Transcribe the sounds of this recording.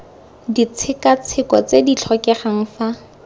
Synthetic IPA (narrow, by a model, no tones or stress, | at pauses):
dit͡sʰɪkat͡sʰɪkɔt͡sedit͡ɬʰɔkɛχaŋ̩fa